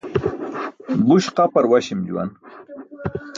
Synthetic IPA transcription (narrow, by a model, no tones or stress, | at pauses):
buɕqapaɾwaɕimd͡ʑṵwa̰n